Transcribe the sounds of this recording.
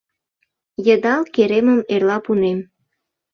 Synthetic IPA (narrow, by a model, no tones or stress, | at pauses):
jəd̪ɑlkeɾeməmerlɑpunem